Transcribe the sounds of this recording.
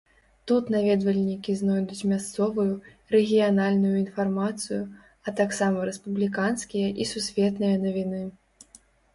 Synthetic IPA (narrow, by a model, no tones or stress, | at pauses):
t̪ut̪navʲɛd̪vɐlʲnʲikʲiznɔjd̪ut͡sʲmʲast̪sɔvɨju | ɾɛɣʲijanalʲnujuinfarmat̪sɨju | ɐt̪aksamɐɾɛspublʲikanskʲijɐʔisusʲvʲɛt̪nɨjɐnɐvʲinɨ